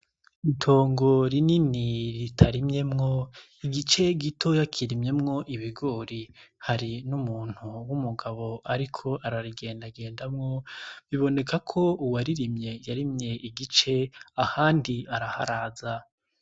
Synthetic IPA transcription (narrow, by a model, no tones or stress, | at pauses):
itʰo̞ːŋɡo̞ɾininiɾitʰaɾimɲe̞mŋo̞ | iɡit͡ʃe̞ɡitʰo̞jakʰiɾimɲe̞mŋo̞ʔiβiɡo̞ːɾihaɾinumuːn̥huwumuɡaβo̞ʔaɾikʰo̞ʔaɾaɾiɡe̞ːndaɡe̞ːndamŋo̞βiβo̞ne̞kakʰo̞uwaɾiɾimɲe̞jaɾimɲe̞ʔiɡit͡ʃe̞ahaːndiaɾaha̰ɾaːza